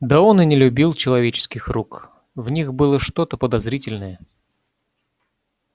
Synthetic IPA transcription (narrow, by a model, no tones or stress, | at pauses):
d̪aonɨnʲɪlʲʊbʲilˠt͡ɕɪlˠɐvʲet͡ɕɪ̥skʲɪxruk | vnʲixbɨlˠəʂt̪o̞t̪əpəd̪ɐzɾʲitʲɪlʲnəjə